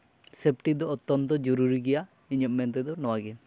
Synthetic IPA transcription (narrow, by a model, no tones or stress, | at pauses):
sepʈid̪ɔːt̪ːɔnt̪ɔd͡ʒɔɾuɾiɡɛja | iɲɔmːɛnt̪̬ɛd̪ɔnɔwaɡɛ